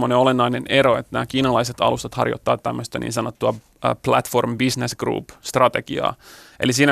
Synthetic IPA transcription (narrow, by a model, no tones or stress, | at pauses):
oneolenːɑineneɾoet̪ːnæːkiːnɑlɑiset̪ɑ̰lust̪ɑt̪hɑ̰rjo̰t̪ːɑːt̪ːæmːøst̪ænḭːnsɑnot̪ːuɑ | plæt̪formbisnesɡ̥rṵːpst̪rɑt̪e̞ɡ̥iɑ̰ːʔelisiːnæ